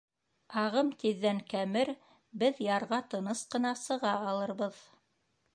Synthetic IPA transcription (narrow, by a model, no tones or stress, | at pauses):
ɑʁɤmt̪iðːæŋkæmɘɾ | bɘðjɑɾʁɑt̪ɤ̆nɤsqɤ̆nɑsɤ̆ʁɑːlˠɤ̆ɾβɤð